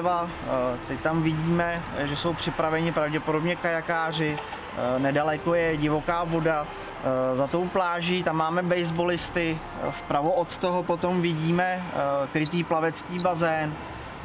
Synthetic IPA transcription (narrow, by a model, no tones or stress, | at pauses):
va | t̪ɛct̪amvɪɟiːmɛʒɛso̞wpr̝̥ɪpɾavɛɲɪpɾavɟɛpodo̞bɲɛkajakaːr̝ɪ | nɛdalɛko̞jɛɟɪvo̞kaːvo̞da | zat̪o̞wplaːʒiːt̪amːaːmɛbɛjzbo̞lɪst̪ɪ | fpɾavoʔot̪t̪oɦopo̞t̪o̞mvɪɟiːmɛkɾɪt̪iːplavɛt͡skiːbazɛːn